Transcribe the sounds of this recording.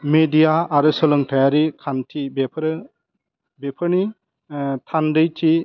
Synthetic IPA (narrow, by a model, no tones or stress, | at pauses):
medijaːɾɯsɯlɯŋtʰajaɾikʰantʰibepʰɾɯ | bepʰɯɾni | tʰandɯjtʰi